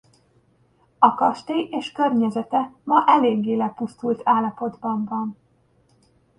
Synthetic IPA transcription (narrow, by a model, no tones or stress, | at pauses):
ɒkɒʃt̪eeːʃkø̞rɲɛzɛt̪ɛmɒʔɛleːɡːeːlɛpust̪ult̪ʰaːlːɒpo̞d̪bɒɱvɒn